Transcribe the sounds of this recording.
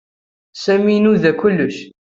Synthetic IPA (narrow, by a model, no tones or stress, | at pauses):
sæminuðækʊlːəʃ